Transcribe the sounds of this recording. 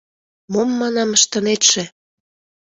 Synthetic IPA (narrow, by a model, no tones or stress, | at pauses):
momːɑnɑməʃt̪ɑnet̪ʃĕ